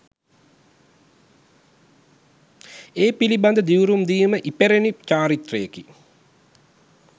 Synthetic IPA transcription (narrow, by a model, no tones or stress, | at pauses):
eːpiliband̪əd̪iwɾumd̪iːməʔipeɾenit͡ʃaːɾit̪rəjeki